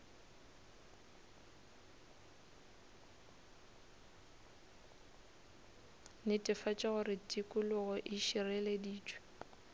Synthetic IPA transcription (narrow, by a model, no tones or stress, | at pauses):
nɪtʼɪfat͡ʃʼɪɣʊɾɪtʼikʼʊlʊɣɔʔɪʃirɛlediːt͡ʃʼwɛ̥